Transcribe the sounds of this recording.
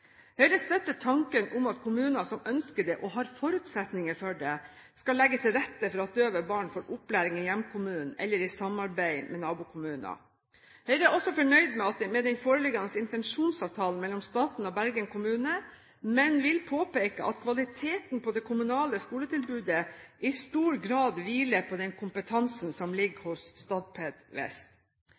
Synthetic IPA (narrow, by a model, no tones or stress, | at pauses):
hœʏɾəst̪œt̪ːət̪ʰɑŋkənʊmɑt̪kʰʊmʉːnɑsɔmœnskəɖɛʔɔɦɑɾfɔɾʉːt̪sɛt̪nɪŋəfɔɖɛskɑlːɛɡːət̪ʰɪlɾɛt̪ːəfɔɾɑt̪̚d̪øːʋəbɑːɳfoːɾʔʊplæːɾɪŋɪjɛmːkʰʊmʉːnn̩ɛ̰lːəɾɪsɑmɑɾbæɪmʔɛnɑːbʊːkʰʊmʉːnɑ̰ | hœʏɾəæʔɔsɔfɔɳœʏd̪mɛɑt̪̚d̪mɛd̪ɛnfoːɾəlɪɡɑnəsɪnt̪ɛnʂuːnsɑːʋt̪ʰɑːln̩mɛlːɔmst̪ɑːt̪n̩ɔbæɾɡənkʊmʉːnə | mɛnʋɪlpʰoːpeɪkə̰ʔɑ̰t̪̚kʰʋɑlɪt̪ʰeːt̪npɔd̪ɛkʰʊmʉnɑːləskuːlət̪ɪlbʉːd̪əʔɪst̪uːɾɡɾɑːd̪ʋiːləɾpʰɔd̪ɛnkʰʊmpət̪ʰɑnsn̩sɔmlɪɡhʊsst̪ɑːd̪̚pʰeːd̪ʋɛ̰st̪